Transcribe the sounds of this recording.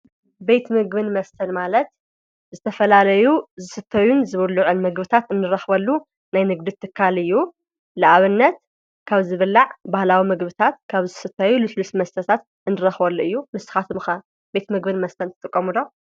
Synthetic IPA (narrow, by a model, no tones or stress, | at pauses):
be̞t̪mɨɡbɨnmɐst̪ʰɐnmalɐt̪ | zɨt̪ʰɐfɐlalɐjuzɨsɨt̪ʰːɐjunzɨβɨlːuʕunmɨɡbɨt̪ʰat̪ɨnːɨɾɐxbɐlːu | najnɨɡd̪ɨt̪ʰːɨkʰːalɨjːu | lɨʔaβɨnːɐt̪̚ | kʰaβzɨβɨlːaʕbahlawimɨɡbɨt̪ʰat̪̚kʰaβzɨsɨt̪ʰːajulɨslusmɐst̪ʰɐt̪ʰat̪ | ʔɨnːɨɾɐxbɐlːuʔɨjːumɨsɨ̥xat̪ʰɨmɨxɐ | be̞t̪mɨɡbɨnmɐst̪ʰɐnt̪ɨ̥t̪ʼɨkʼːɐmud̪o